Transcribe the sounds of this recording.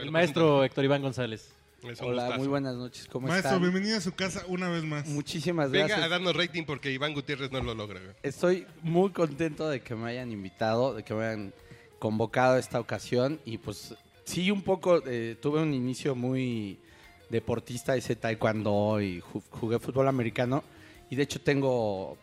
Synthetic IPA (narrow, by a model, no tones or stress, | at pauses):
ellmaest̪ɾoek̚t̪oɾiβaŋɡo̞nsale̞s | esolammujβwe̞nazno̞t͡ʃe̞̥skomoemaest̪aɾoβjembeniðoas̬ukasaunaβezmasmut͡ʃisimazɣɾasjaðaɾnosrejt̪iŋpoɾkeiβaŋɡut̪jereznololoɣɾeee̞st̪o̞jmujko̞nt̪e̞nt̪o̞ðe̞ke̞me̞aʝanĩmbit̪að̞o̞ðe̞keme̞ajan | ko̞mbo̞kað̞oe̞st̪ao̞kasjo̞nipwes | siumpo̞ko̞et̪uβe̞uninisjo̞muj | ðe̞po̞ɾt̪ist̪aeset̪ajkwand̪oixuɣe̞fut̪̚βo̞lame̞ɾikano̞ | iðeet͡ʃo̞t̪e̞ŋɡo̞